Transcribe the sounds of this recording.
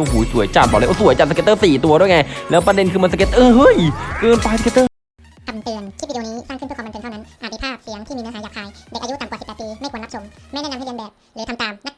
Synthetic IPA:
ʔo˧˩huː˩˦jsu˨˩˦jt͡ɕaː˨˧˩t̪̚ɔ˨˩lːʔsu˨˩˦jt͡ɕa˨˩sa˧e˧t̪ːɤː˥˩siː˨˩t̪u˧ɐɾu˥˩jŋa˧˩jlɛː˦˥wpɾa˧de˧nkʰɯː˧ma˧nsa˧ke˧˥t̪ʔɤː˧˩ɦɤ˦˥˩jkɤː˧npa˧jsa˧ke˧t̪ːɤː˥˩ | tʰa˧mt̪ɨ˨˩ənt͡ɕʰi˥˩˧niː˦˥saː˥˩kʰːe˧nʰa˥˩na˦˥nʔaː˨˩˧i˧pʰaː˥˩p̚si˨˦əŋt̪ʰiː˥˩iː˧˥ɦaː˨˦jaː˨˩k̚ʰhaː˧˩jde˨˩ʔa˧ju˦˥t̪a˨mkwsi˨˩pːt̪piː˧ma˥˩kʰːnla˦˥pso˨˧˦ma˥˩nɛː˥na˧ha˥˩e˧nbɛː˨˩p̚lɯː˨˦t̪ʰa˧mt̪aː˨˧mna˦˥

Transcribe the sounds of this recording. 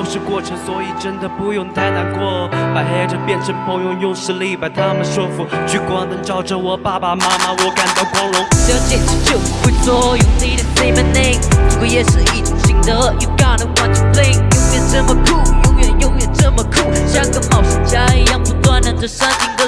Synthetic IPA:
o˥ʊʂɻ̩˥˧kwɔ˥˩ʈ͡ʂʰə˧˥ŋswɔ˧˥i˨˩ʈ͡ʂə˥nd̪ə˨pu˧jʊ˥˧˩ŋt̪ʰa˥ɪna˧˩nkwɔ˥˩pa˨˩ɪɦe˥ɪʈ͡ʂə˧pjɛ˥˧nʈ͡ʂʰə˧˥ŋpʰə˧˥ŋjʊ˧ŋjʊ˥˧ŋʂ̩˥li˥˩pa˨ɪt̪ʰa˥mə˨nʂɔ˥˩fu˧˥t͡ɕʰy˥˩kwɑ˥ŋt̪ə˧˥nʈ͡ʂɑ˥˩ʊʈ͡ʂə˨wɔ˨˩pa˥˧˩pa˧ma˥ma˧wɔ˨˩ka˥nt̪o˧ʊkʰwɑ˧˥ŋɻʊ˧˥ŋtə˥t͡ɕɛ˥˩nsʰi˧˩t͡ɕo˥˩ʊ˩xwe˥˧˩sɔ˥ju˨˧ni˥˧ɾɪ˨˩sẽ˥ɪmə˨˧nẽ˥˧ɪ̃mʊ˧˩kə˧˩jɛ˧s̩˥˧i˥˩˨sɪ˧˥ŋd̪ə˦ju˨˩ɡɑ˥nə˨wɑ̃˥˧ntʰu˨plẽ˥˧ɪŋjʊ˥ŋjɛ˧˥ʈ͡ʂə˥˩mə˨kʰu˥˩jʊ˧˥ŋjɛ˨jʊ˥˩ŋjɛ˧˩ʈ͡ʂə˥˧mə˨kʰu˥˩ɕa˥ŋkə˧˥mɑ˨˩ʊʂɨ˨˩t͡ɕa˥jɑ˥˩ŋtu˧t̪wa˥nə˧˦ndə˧˩sɐ˥nt̪ʰi˧˥ŋd̪ə˧

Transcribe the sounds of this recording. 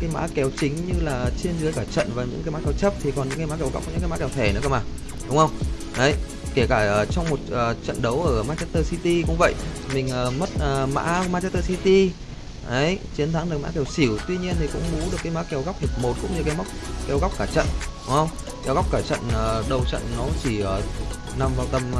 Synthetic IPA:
kaː˨˦jma̰ː˧˥kɛ˨˧˦wt͡ɕï˨˦ŋ̟ɲɨ˧laː˨˩t͡ɕi˧ənɨ˨˦jkaː˧˩t͡ɕə̰˧˨nvaː˨˩ɲɨ̰˧˥ŋkːaː˨˦maː˧˦˥kɛ˧wt͡ɕə˦˥p̚t̪ʰi˨˩kɔ˨˩nɲɨ̰˧˥kaː˨˧˦ma̰ː˧˥kɛ˨˧˦wɣa˦˥wk͡p̚ɲɨ̰˧˥kaː˧˦maː˧˦˥kɛ˧wt̪ʰe˧˩nɨ̰˧˥kə˧˩maː˨˩ | ɗʊ˨˦ŋ͡mxə˧wŋ͡m | ʔə˨˦j | ke˧˩kaː˧˩ʔːt͡ɕɔ˧wŋ͡mmo˨˩t̚ʔəː˨˩t͡ɕə̰˧˨nɗə˨˦wʔəː˧˩maː˧t͡ɕɛ˦˥t̪əː˧si˧t̪i˧kʊ̰˧˥ŋ͡mvə̰˧˨jmï˨˩ŋ̟ʔəː˨˩mə˦˥t̚ʔəː˨˩ma̰ː˧˥˧maː˧t͡ɕɛ˧˥t̪əː˧si˧t̪i˧ | ʔə˨˦jt͡ɕi˨˦ənt̪ʰa˨˦ŋɗɨ˨˩ək̚ma̰ː˧˥kɛ˧˩wsi˧˩əwt̪wi˧ɲi˧ənt̪ʰi˨˩kʊ̰˧˥ŋ͡mɓu˨˦ɗɨ˨˩əkːaː˨˦jma̰ː˧˥kɛ˨˧˩wɣa˦˥k͡p̚hʰi˨˩əp̚mo˨˩t̚kʊ̰˧˥ŋ͡mɲɨ˧kaː˨˦jm˦˥k͡p̚kɛ˨˦wɣwk͡p̚kaː˧˩t͡ɕə̰˧˨nʊ˨˦ŋ͡mhə˧wŋ͡m | kɛ˧˦wɣa˦˥wk͡p̚kaː˧˩t͡ɕə̰˧˨nəː˨˩ɗə˨˩wt͡ɕə̰˧˨nːɔ˨˦t͡ɕi˧˩ʔəː˨˩ | na˨˩mvaː˨˧wt̪ə˨˩m

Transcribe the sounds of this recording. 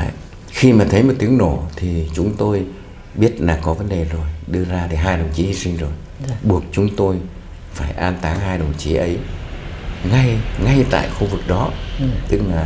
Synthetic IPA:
a˧˨j | xi˧maː˨˩t̪ʰə˨˦jmo˨˩t̪̚i˨˦əŋno˧˩t̪ʰi˨˩t͡ɕʊ˨˦ŋ͡mt̪o˧j | ɓi˦˥ət̚laː˨˩kɔ˨˦və˨˦nɗe˨˩zo˨˩jɗɨ˧əzaː˧t̪ʰi˨˩ɦaː˧jɗə˨˩wŋ͡mt͡ɕi˨˦hi˧si˧nzo˨˩j | ɓu˨˩ək̚t͡ɕʊ˨˦ŋ͡mt̪o˧j | faː˧˩jʔaː˧nt̪aː˨˦ŋɦaː˧jɗə˨˩wŋ͡mt͡ɕi˨˦ʔə˨˦j | ŋa˧jŋa˧jt̪a̰ː˧˨jxu˧vɨ˨˩k̚ɗɔ˨˦t̪ɨ˦˥k̚laː˨˩

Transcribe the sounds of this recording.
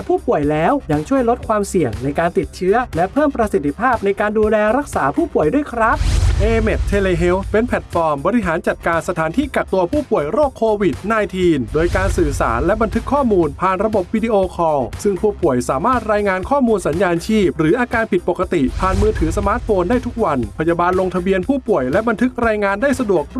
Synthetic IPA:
pʰuː˥˩pu˨˩əjlɛː˦˥wja˧ŋt͡ɕʰu˥˩əjlo˦˥t̪̚kʰwaː˧msi˨˩əŋna˧jkaː˧nt̪i˨˩t̪̚t͡ɕʰɯ˦˥ɐlɛ˦˥pʰɤː˥˩mpɾa˧si˨˩t̪ʰːi˧˥pʰaː˥˩p̚na˧jkaː˧nduː˧lɛː˧ɾa˦˥k̚saː˩˦pʰuː˥˩pu˨˩əjdu˥˩əjkʰɾa˦˥p̚ʔeː˧me˨˩t̪ʰːeː˧leː˧ɦe˦˥wpe˧npʰɛ˨˩t̪̚fɔː˧mbɔː˧ɾi˦˥ɦaː˩˦nt͡ɕa˨˩t̪̚kaː˧nsa˧t̪ʰaː˩˦nt̪ʰiː˥˩ka˨˩k̚t̪u˧ɐpʰuː˥˩pu˨˩əjɾoː˥˩kʰːoː˧wi˨˩t̪̚naː˧jt̪ʰiː˧ndoː˧jkaː˧nsɯː˨˩sa̰ː˩˦nlɛ˦˥ba˧nt̪ʰɯ˦˥kʰːɔː˥˩muː˧npʰaː˨˩nɾa˧bo˨˩p̚wiː˧di˧˥ʔoː˧kʰɔː˧ŋsɯ˥˩ŋpʰuː˥˩pu˨˩əjsaː˩˦maː˥˩t̪̚ɾaː˧jŋaː˧nkʰɔː˥˩muː˧nsa˩˦njaː˧nt͡ɕʰiː˥˩p̚ɾɯː˩˦ʔaː˧kaː˧npʰi˨˩t̪̚po˨˩kːa˧t̪i˨˩pʰaː˨˧˩nmɯː˧t̪ʰɯː˩˦sa˧maː˦˥t̪̚foː˧ndaː˥˩t̪ʰu˦˥k̚wa˧npʰa˧jaː˧baː˧nlo˧ŋt̪ʰa˧bi˧ənpʰuː˥˩pu˨˩əjlɛ˦˥ba˧nt̪ʰɯ˦˥k̚ɾaː˧jŋaː˧ndaː˥˩jsa˧du˨˩ək̚

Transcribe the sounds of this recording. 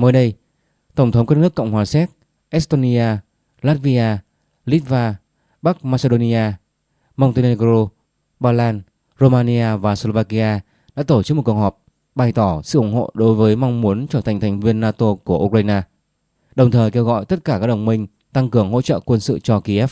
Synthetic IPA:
məː˨˦jɗə˧j | t̪ə˧˩wŋ͡mt̪ʰə˨˦wŋ͡mkaː˦˥nɨ˦˥əkːə̰˧˨wŋ͡mhwaː˨˩sɛ˦˥t̚ | ʔɛ˦˥st̪o˧ni˧ʔaː˧ | laː˦˥t̚vi˧ʔaː˧ | li˦˥t̚vaː˧ | ɓa˦˥k̚maː˧se˧ɗo˧ni˧ʔaː˧ | ma˧wŋ͡mt̪e˧ne˧ɣɾo˧ | ɓaː˧laː˧n | zo˧maː˧ni˧ʔaː˧vaː˨˩slo˧vaː˧ki˧ʔaː˧ | ɗa̰ː˧˥t̪o˧˩t͡ɕɨ˦˥k̚m̚˨˩ku˩əkhɔ˨˩p̚ | ɓa˨˩jt̪ɔ˧˩sɨ̰˧˨ʔʊ˧˩ŋ͡mho̰˧˨ɗo˨˦jvəː˨˦jma˧wŋ͡mmu˨˦ənt͡ɕəː˧˩t̪ʰa˨˩ŋ̟t̪ʰjŋ̟vi˧ənːaː˧t̪o˧ku˧˩əʔu˧k̚waː˧jnaː˧ | ɗə˨˩wŋ͡mt̪ʰəː˨˩jke˧wɣɔ̰˧˨jt̪ə˦˥t̚kaː˧˩kaː˦˥k̚ɗə˨˩wŋ͡mmï˧ŋ̟ | t̪a˧ŋkɨ˨˩əŋɦo̰˧˥t͡ɕə̰ː˧˨kwə˧nsɨ̰˧˨t͡ɕɔ˧ki˧ʔɛ˦˥f

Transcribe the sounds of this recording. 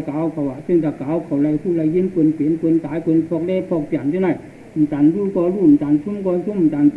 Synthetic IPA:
kaː˨˥wkʰa˨˩wʔaː˨˩sŋt̪a˨˩kːaː˨˥wkʰa˨˩wla˧jfu˧˥˩la˧jji˧˥ənku˧npi˨˦ənkə˧nt̪aː˨˥˦jkwə˧npʰɔː˧k̚lɛː˥pʰɔ˧k̚t͡ɕa˨˩nt͡ɕa˧˦na˧˩ | m̩˨˩t͡ɕa˨˧˩nlu˧˥˩kɔː˧jluː˧˥˩m̩˨˩t͡sa˨nsʰu˧˥mkɔː˧jsʰu˧˥˨m̩˨˩t͡saː˨˩n

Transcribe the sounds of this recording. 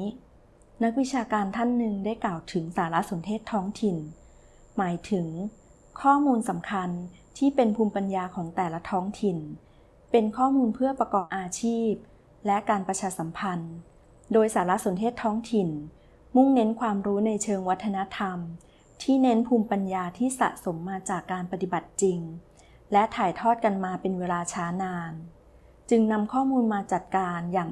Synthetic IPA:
na˦˥k̚wi˦˥t͡ɕʰaː˧kaː˧nt̪ʰa˥˩nːɯ˨˧ŋdaː˥˩jklaː˨˩wt̪ʰɯ˩˦ŋsaː˩˦la˦˥ʔso˨˩˦nt̪ʰeː˥˩t̪ʰːɔː˦˥ŋt̪ʰi˨˧˩n | maː˩˦jt̪ʰɯ˩˦ŋ | kʰɔː˥˩muː˧nsa˩˦mkʰa˧n | t̪ʰiː˥˩pe˧npʰuː˧mpa˧njaː˧kʰɔː˩˦ŋt̪ɛː˨˩la˦˥t̪ʰɔː˦˥ŋt̪ʰi˧n | pe˧nkʰɔː˥˩muː˧npʰɯ˥˩ɐpɾa˧kɔː˨˩p̚ʔaː˧t͡ɕʰiː˥˩p̚ | lɛ˦˥kaː˧npɾa˧t͡ɕʰaː˧sa˩˦mpʰa˧n | doː˧jsaː˩˦la˦˥so˩˦nt̪ʰeː˥˩t̪ʰːɔː˦˥ŋt̪ʰi˨˩n | mu˥˩ŋne˦˥nkʰwaː˧mɾuː˦˥na˧jt͡ɕʰɤː˧ŋwa˦˥t̪ʰːa˧na˦˥t̪ʰa˧m | t̪ʰiː˥˩ne˦˥npʰuː˧mpa˧njaː˧t̪ʰiː˥˩sa̰˨˩ʔso˩˦mːaː˧t͡ɕaː˨˩kːaː˧npa˧t̪i˨˩ba˨˩t̪̚t͡ɕi˧ŋ | lɛ˦˥t̪ʰaː˨˩jt̪ʰɔː˥˩t̪̚ka˧nmaː˧pe˧nweː˧laː˧t͡ɕʰaː˦˥naː˧n | t͡ɕɯ˧ŋna˧mkʰɔː˥˩muː˧nmaː˧t͡ɕa˨˩t̪̚kaː˧njaː˨˩

